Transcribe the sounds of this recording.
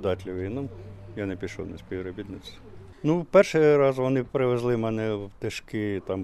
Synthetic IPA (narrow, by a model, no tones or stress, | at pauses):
d̪ɑt̪ʲlʲɪʋɪnɔmjanɛpʲiʃɔ̰wnɐsʲpʲiʋɾɔbʲit̪nɪt͡s̪ʲ | nupɛrʃɪɾɑzʋɔnɪpɾɪʋezlˠɪmɛnɛt̪ɪʃkɪt̪ɑm